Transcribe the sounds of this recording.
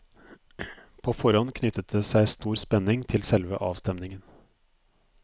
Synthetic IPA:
pʰoːfɔɾɔnkʰnʏt̪ət̪ʰəsæɪst̪uːɾspɛnɪŋt̪ʰɪlsɛlʋə̰ʔɑːʋst̪ɛmnɪŋən

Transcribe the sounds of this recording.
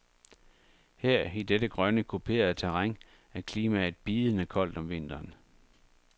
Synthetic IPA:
heɐ̰id̥ed̥əɡ̥ʁɶnəkʰupʰe̝̰ːɐð̩ˠt͡sʰæʁaŋ | ækʰliːmæe̝d̥̚b̥iːð̩ˠənəkʰɒ̽l̰d̥ɒ̽mʋe̝n̰d̥ɐːn

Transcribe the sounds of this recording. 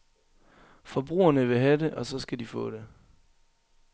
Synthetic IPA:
fɒ̽b̥ʁṵːɐnəʋe̝ɦæde̝ʔɒ̽sɒ̽sɡ̥ædifɔ̰̽ːd̥e̝

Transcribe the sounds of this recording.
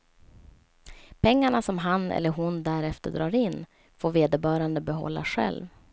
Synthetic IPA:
pʰɛŋːaɳasɔmɦanɛ̰lːəɾɦʊnd̪æɾɛft̪əɖɾɑːɾɪnː | foːɾveːd̪əbœːɾand̪əbɛɦɔ̰lːa̰ɧɛ̰lv

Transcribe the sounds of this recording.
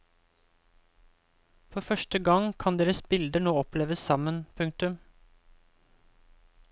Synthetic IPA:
fɔɾfœʃʈəɡɑŋkʰɑnd̪eːɾəsbɪld̪əɳoːɔpleːʋəsɑmənpʰʉŋk̚t̪ʉm

